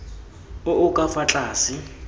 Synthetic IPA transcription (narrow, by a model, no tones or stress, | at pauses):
ʊʔʊkʼafat͡ɬʼaːsɪ